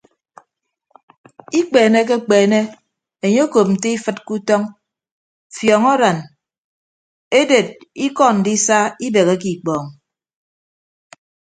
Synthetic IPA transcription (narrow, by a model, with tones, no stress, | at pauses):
i˦k͡peː˨ne˦k̬e˦k͡peː˨ne˦ | e˨ɲe˦o˦ko˨p̚n̩˨te˦i˦fɨ˦t̚ku˦tɔ˦ŋ | fjɔ˨ŋɔ˦ɾa˨n | e˦de˨t̚i˦kɔ˦n̩˨di˦sa˦i˦be˨ɣe˦ki˨k͡pɔː˨ŋ